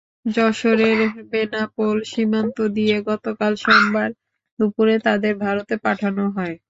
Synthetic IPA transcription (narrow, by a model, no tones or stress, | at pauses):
d͡ʑɔʃoɾeɾbenapolʃimant̪od̪ijeɡɔt̪okalʃɔmbaɾ | d̪upuɾet̪ad̪eɾbʱaɾot̪epaʈʰanoɦɔe